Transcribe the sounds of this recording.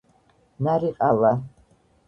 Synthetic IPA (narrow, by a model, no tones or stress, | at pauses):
naɾiqʼala